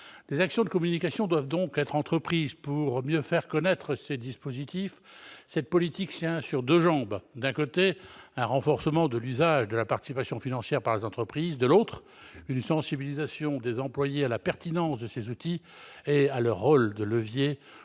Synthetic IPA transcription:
d̪ezaksjɔ̃d̪əkɔmynikasjɔ̃d̪wavd̪ɔ̃kɛt̪χɑ̃t̪χəpχizpuʁmjøfɛʁkɔnɛt̪χəsed̪ispozit̪ifsɛt̪̚pɔlit̪ikt̪jɛ̃syʁd̪øʒɑ̃bd̪ɛ̃kot̪eɛ̃ʁɑ̃fɔʁsəmɑ̃d̪əlyzaʒd̪əlapaʁt̪i̥sipasjɔ̃finɑ̃sjɛʁpaʁlezɑ̃t̪χəpχizd̪əlot̪χ | ynsɑ̃sibilizasjɔ̃d̪ezɑ̃plwajealapɛʁt̪inɑ̃sd̪əsezut̪i | ealœʁːold̪ələvje

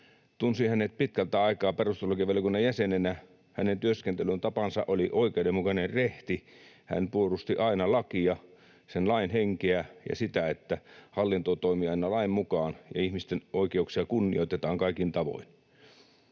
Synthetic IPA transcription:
t̪unsihænet̪̚pit̪̚kælt̪æɑikɑːperust̪elːukiɑʋeljokunːɑjæsenenæ | hænent̪yøskent̪elynt̪ɑpɑnsɑ̰ʔoliʔoikeudemukɑnerreht̪i | hæ̰npuorust̪iʔɑinɑlɑkiɑ | senlɑinheŋkeæjɑ̰sit̪æet̪ːæhɑlːint̪ot̪oimiɑˑinɑlɑimmukɑːnjɑ̰ihmist̪enʔoikeuksiɑkunːḭoit̪et̪ɑːŋkɑˑikint̪ɑʋo̰in

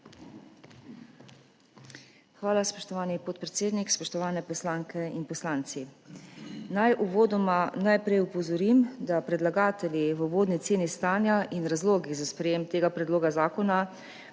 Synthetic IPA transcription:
xʋaːlaspɔʃt̪ɔʋaːnipɔt̪̚pɾɛt̪seːd̪nikspɔʃt̪ɔʋaːnɛpɔslaːŋkɛinpɔslaːnt̪si | najʔuʋoːd̪ɔmanajpɾɛjupɔzɔɾimd̪apɾɛd̪laɡaːt̪ɛljiʋəuʋoːd̪nit̪seːnist̪aːnjaʔinɾazloːɡizaspɾɛjeːmt̪eːɡapɾɛd̪loːɡazaːkɔna

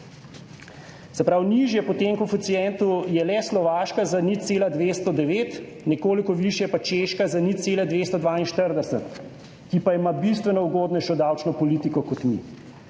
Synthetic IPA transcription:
sɛpɾawniʒjɛpɔt̪eŋkufit̪sijɛnt̪ujɛlɛslɔʋaːʃkazaniseːlad̪ʋeːst̪ɔd̪ɛʋeːt̪ | nɛkoːlikɔʋiʃjɛpat͡ʃeʃkazaniseːlɛd̪ʋeːst̪ɔd̪ʋaːinʃt̪əɾd̪ɛsɛt̪ | kipaimabist̪ʋɛnɔuɡoːd̪nɛʃɔd̪awt͡ʃnɔpɔliːt̪ikɔkɔt̪mḭ

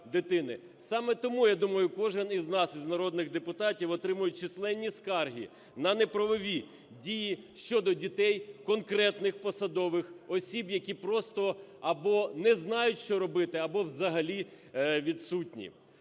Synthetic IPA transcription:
d̪ɪt̪ɪnɪ | sɑmɛt̪ɔmujad̪umɐjʊkɔʒɛniznɑsiznɐɾɔd̪nɪɣd̪epʊt̪ɑtʲiwɔt̪ɾɪmʊjʊt̚ʲt͡ʃislˠɛnʲːiskɑrɦʲḭ | nɐnɛpɾɐʋɔʋʲi | dʲijiʃt͡ʃɔd̪ɔdʲit̪ɛjkɔnkɾɛt̪nɪxpɔsɐd̪ɔʋɪxɔsʲibjɐkʲipɾɔst̪ɔɐbɔnɛznɑjʊtʲʃt͡ʃɔɾɔbɪt̪ɪɐbɔwzɐɦɐlʲi | ʋʲid̪sutʲnʲḭ

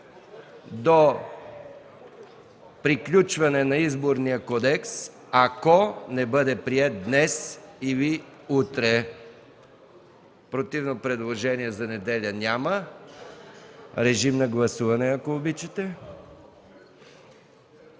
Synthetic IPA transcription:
d̪o | pɾiklʲut͡ʃvɐnɛnɐizboɾnijəkɔd̪ɛks | akonɛbəd̪ɛpɾiɛt̪̚d̪nɛsiviut̪ɾɛ | pɾot̪ivnopɾɛd̪lˠoʒɛniɛzɐnɛd̪ɛlʲənʲamə | ɾɛʒimnɐɡlˠɐsuvɐnɛɐkoːbit͡ʃɛt̪ɛ

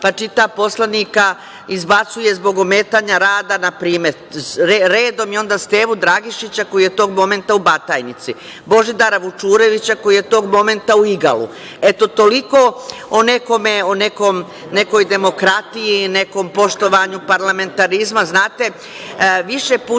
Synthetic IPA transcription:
pat͡ʃit̪apo̞slaniːka | izbat̪suje̞zbo̞ɡome̞ːt̪aɲaɾaːd̪anapɾiːme̞ɾ | ɾeɾeːd̪o̞mjo̞nd̪ast̪e̞ːʋud̪ɾaɡiʃit͡ɕako̞jijet̪o̞ːɡmo̞me̞nt̪aubat̪aːjnit̪si | bo̞ʒid̪aɾaʋut͡ʃuːɾe̞ʋit͡ɕako̞jije̞t̪o̞ːɡmo̞me̞nt̪auiɡa̰lṵ | e̞t̪o̞t̪o̞liko̞one̞ko̞me̞one̞ko̞m | ne̞ko̞jd̪e̞mo̞kɾat̪ijine̞ko̞mpo̞ʃt̪o̞ʋaɲupaɾlame̞nt̪aɾizmaznaːt̪e̞ | ʋiʃepu

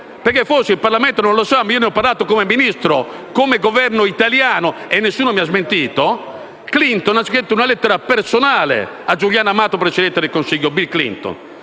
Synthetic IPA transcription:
pɛɾkefoseilparlamɛnt̪onõnlɔsamːaiːonɛɔpːaɾlaːt̪okomɛminist̪ɾo | komɛɡɔvɛɾnoit̪aljaːnɔɛnːesːuːnomiazment̪iːt̪o | klint̪ɔnasket̪ːuunalɛt̪ːɛɾapɛɾsɔnaːlɛ̰ | ad͡ʒuljaːnamaːt̪opɾet͡ʃɛd̪ɛnt̪ɛd̪elkonsiʎːobilklḭnt̪ɔ̰n

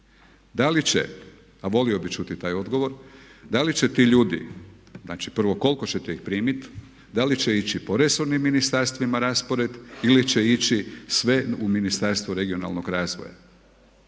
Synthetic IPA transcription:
d̪alit͡ɕḛ | aʋo̞lio̞bit͡ʃuːt̪it̪aːjo̞d̪ɡo̞ʋo̞ɾd̪alit͡ʃet̪iʎuːd̪ḭznaːt͡ʃipr̩ʋo̞ko̞lko̞t͡ɕet̪eixpɾiːmit̪ | d̪alit͡ʃeit͡ʃipo̞ɾe̞so̞ɾnimːinist̪aɾst̪ʋimaɾaːspo̞ɾe̞d̪ilit͡ʃeit͡ʃisʋe̞uminist̪aɾst̪ʋoɾe̞ɡio̞na̰lˠnoɡɾaːzʋo̰ja̰

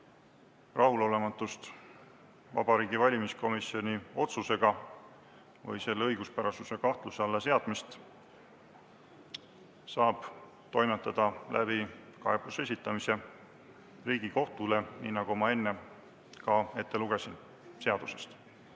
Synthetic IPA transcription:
rʔɑɦulo̞le̞mɑt̪ːˑust̪ | vɑ̰b̥ɑɾiːɡivɑlʲimisko̞misio̞nʲio̞t̪suse̞ɡ̥ɑ | vɤ̰jse̞lːeɤjɡ̥uspæɾɑsuse̞kɑht̪luseɑlːɑse̞ɑd̪̥mist̪ | sɑːb̥ | t̪o̞jmet̪ːˑɑd̪̥ɑlʔæ̰bikɑe̞b̥use̞s̬ʲit̪ːˑɑmise̞ | riːɡ̥iko̞ht̪ule̞niːnɑɡ̥umɑe̞nːe̞ | kɑe̞t̪ːe̞luɡ̥e̞sin | se̞ɑd̪̥use̞̥st̪

